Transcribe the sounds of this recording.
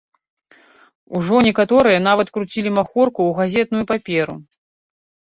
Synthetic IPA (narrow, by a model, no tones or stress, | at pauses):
uʐɔnʲɛkat̪ɔɾɨjɐn̪avɐt̪kɾut͡sʲilʲimaxɔrkuːɣazʲɛt̪̚nujupapʲɛɾṵ